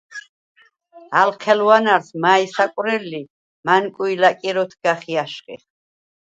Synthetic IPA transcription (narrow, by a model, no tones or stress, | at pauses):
alqʰɛlwanaɾsmaisakʼwɾɛlːi | mankʼuilakʼiɾɔt̪ʰɡ̥aχiaʃχʼḭχ